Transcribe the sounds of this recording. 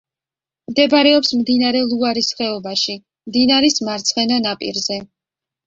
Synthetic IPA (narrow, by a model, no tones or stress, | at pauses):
md̪ɛbɾɛɔpsmd̪inaɾɛlˠuaɾisχɛɔbaʃi | md̪inaɾismaɾt̪sʰχɛnanapʼḭɾzɛ